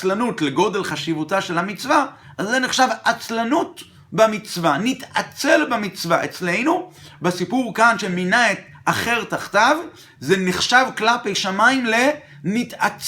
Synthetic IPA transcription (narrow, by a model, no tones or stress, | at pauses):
lanutleɡo̞de̞lχaʃivutaʃelhamit͡sva | ʔazːeniχʃavat͡slanut | bamit͡svanitat͡se̞lbamit͡svaʔet͡slejnubasipuʁkanʃeminaet̪ | ʔaχe̞ʁtaχt̪av | zeniχʃavklapejʃamaimle̞ | nitʔat͡s